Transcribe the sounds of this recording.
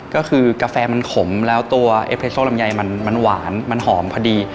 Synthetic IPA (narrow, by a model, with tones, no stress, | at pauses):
kɔː˥˩kʰɯː˧kaː˧fɛː˧ma˧nkʰo˨˩˦mlɛː˦˥wt̪u˧ɐʔḛ˦˥pʰe˦˧soː˥˩˨la˨˧mja˧jma˧nma˧nwaː˩˦nma˧nɦɔː˩˦mpʰɔ˧diː˧